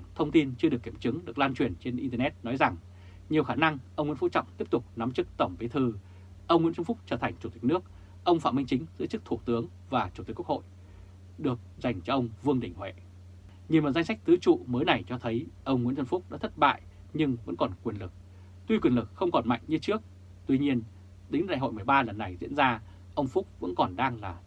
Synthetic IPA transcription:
t̪ʰə˧wŋ͡mt̪i˧nt͡ɕɨ˧ɨ˨˩əkːi˧˩ə˨mt͡ɕɨ˨˦ŋɗɨ˨˩ək̚laː˧nt͡ɕwi˨˩ənt͡ɕe˧nʔi˧t̪ə˧nɛ˦˥t̚nɔ˨˦jza˨˩ŋ | ɲi˨˩əwxaː˧˩na˧ŋʔə˧wŋ͡mwḭ˧˥˦fṵ˧˥t͡ɕɔ̰˧˨wŋ͡mt̪i˦˥əp̚t̪ʊ˨˩k͡p̚na˨˦mt͡ɕɨ˦˥k̚t̪ə˧˩wŋ͡mvi˨˦t̪ʰɨ˧ | ʔə˧wŋ͡mŋwḭ˧˥t̪ə˧nfʊ˦˥k͡p̚t͡ɕəː˧˩t̪ʰa˨˩jŋ̟t͡ɕu˨˧˩t̪i˨˩k̟̚nɨ˦˥ək̚ | ʔə˧wŋ͡mfa̰˧˨mï˧ŋ̟t͡ɕï˨˦ŋ̟zɨ̰˧˥t͡ɕɨ˦˥k̚t̪ʰu˧˩t̪ɨ˨˦əŋ | vaː˨˩t͡ɕu˧˩t̪i˨˩ku˦˥kho̰˧˨j | ɗɨ˨˩ək̚za˨˩jŋ̟t͡ɕɔ˧ʔə˧wŋ͡mvɨ˧əŋɗï˨˩ŋ̟hwḛ˧˨ | ɲi˨˩mə˨˩za˧ŋsa˦˥k̚t̪ɨ˨˦t͡ɕṵ˧˨məː˨˦jna˨˩jt͡ɕɔ˧t̪ʰə˨˦jʔə˧wŋ͡mŋḭ˧˥nt̪ə˧mfʊ˦˥k͡p̚ɗa̰ː˧˥t̪ʰə˦˥t̚ɓa̰ː˧˨j | ɲɨ˧ŋvə̰˧˥nkɔ˨˩nkwi˨˩ənlɨ˨˩k̚ | t̪wi˧kwi˨˩ənlɨ˨˩k̚xə˧wŋ͡mkɔ˨˩nma̰˧˨jŋ̟ɲɨ˧˦t͡ɕɨ˦˥ək̚ | t̪wi˧ɲi˧ən | ɗ̪i˨˦ŋ̟ɗa̰˧˨jɦo̰˧˨jmɨ˨˩əjɓaː˧lə˨˩nːa˨˩jzḭ˧˥ənzaː˧ | ʔə˧wŋ͡mfʊ˦˥k͡p̚və̰˧˥nkɔ˨˩nɗaː˧ŋlaː˨˩

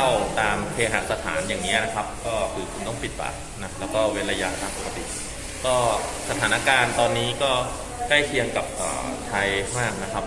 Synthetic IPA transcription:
a˥˩wt̪aː˧mpʰeː˧ɦa̰˨˩sa˧t̪ʰaː˩˦njaː˨˩ŋni˦˥ɐna˦˥kʰa˦˥p̚kɔː˥˩kʰɯː˧kʰu˧nt̪ɔ˥˩ŋpi˨˩t̪̚pa̰ː˨˩ | na˦˥lɛː˦˥wkɔː˥˩we˧˥nla˧ja˦˥t̪ʰːaː˧˩ŋpo˨˩kʰa˧t̪ḭ˨˩ʔ | kɔː˥˩sa˧t̪ʰaː˩˦na˦˥kaː˧nt̪ɔː˧nːiː˦˥kɔː˥˩ | ka˥˩jkʰi˧əŋka˨˩p̚ʔə̰ː˨˩t̪ʰa˧jmaː˥˩k̚na˦˥kʰa˦˥p̚

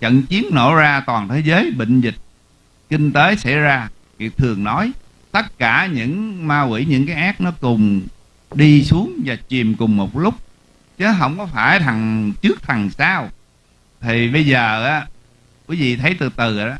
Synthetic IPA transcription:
t͡ɕə̰˧˨nt͡ɕi˨˦ənno̰˧˩zaː˧t̪waː˨˩nt̪ʰe˨˦zəː˨˦jɓḭ˧˨ŋ̟zï˨˩k̟̚ | kï˧ŋ̟t̪eː˨˦jsa̰˧˥˩jzaː˧ | vi˨˩ək̚t̪ʰɨ˨˩əŋnɔ˨˦j | t̪ə˦˥t̚kaː˧˩ɲɨ̰˧˥ŋmaː˧kwḭ˧˩ɲɨ̰˧˥ŋkaː˨˦jʔaː˦˥k̚nɔ˨˦kʊ˨˩ŋ͡m | ɗi˧su˨˦əŋvaː˨˩t͡ɕi˨˩mkʊ˨˩ŋ͡mmo˨˩t̚lʊ˦˥k͡p̚ | t͡ɕɨ˨˦ɦə˧˩wŋ͡mkɔ˨˦faː˧˩jt̪ʰa˨˩ŋt͡ɕɨ˦˥ək̚t̪ʰa˨˩ŋsaː˧w | t̪ʰi˨˩ɓə˧jzəː˨˩ʔaː˨˦ | kwi˨˦vḭ˧˨t̪ʰə˨˦jt̪ɨ˨˩t̪ɨ˨˩ʔaː˧˦

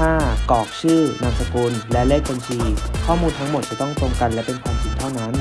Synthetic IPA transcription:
aː˥˩kɔː˨˩k̚t͡ɕʰɯː˥˩na˧msa˧kuː˧nlɛ˦˥le˥˩k̚ʰːo˧nt͡ɕʰiː˧kʰɔː˥˩muː˧nt̪ʰa˦˥ŋmo˨˩t̪̚t͡ɕi˨˩t̪ɔ˥˩ŋt̪ɾo˧ŋka˧nlɛ˦˥wpe˧npʰaː˧npʰiː˧nt̪ʰa˥˩wnaː˦˥n

